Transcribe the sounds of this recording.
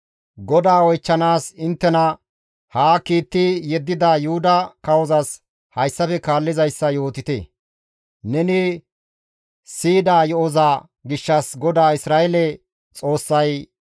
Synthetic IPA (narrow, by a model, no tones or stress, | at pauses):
ɡɔd̪aːwɔjt͡ʃːɐnaːsɪnt̪ːɛnɐ | haːkiːt̪ːɪjɛd̪ːɪd̪aːjʊhʊd̪ɐkɐwɔzɐs | hɐjsːɐfɛkaːlːɪzɐjsːɐjoːt̪ɪt̪ḛ | nɛnɪ | siːd̪aːjɔɔzaː | ɡɪʃːɐsɡɔd̪aːɪsɾaːʔɛlɛ | t͡sʼo̞ːsːɐj